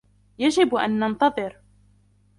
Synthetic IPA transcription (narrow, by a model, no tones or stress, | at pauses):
jad͡ʒɪbʔa̰nːɑnt̪ɑðˤɨɾ